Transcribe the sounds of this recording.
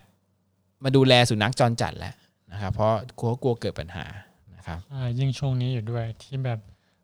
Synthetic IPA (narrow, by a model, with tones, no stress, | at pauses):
maː˧duː˧lɛː˧su˨˩˦na˦˥k̚t͡ɕɔː˧nt͡ɕa̰˨˩t̪̚lɛ̰˦˥ʔ | na˦˥kʰa˦˥pʰɾɔ˦˥kʰu˧˦˥ku˧ɐkɤː˨˩t̪̚pa˧nha̰ː˩˦ | na˦˥kʰa˦˥p̚a˧˩ji˥˩ŋt͡ɕʰu˥˩əŋniː˦˥juː˨˩du˥˩əjt̪ʰiː˥˩bɛː˨˩p̚